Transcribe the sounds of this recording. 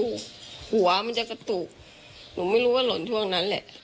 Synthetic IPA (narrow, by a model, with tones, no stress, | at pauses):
hu˨˩˦ɐma˧nt͡ɕa˨˩ka˧t̪uː˨˩k̚ | nuː˩˦ma˥˩jɾuː˦˥waː˥˩lo˨˦nt̪ʰu˥˩əŋna˦˥nlɛ̰˨˩ʔ